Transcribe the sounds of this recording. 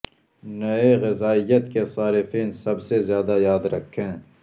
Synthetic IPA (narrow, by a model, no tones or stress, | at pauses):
nɐeɣɪzaːɪjːət̪kesaːɾɪfiːnsɐbsezjaːd̪ajaːd̪ɾɐ̰kʰːẽː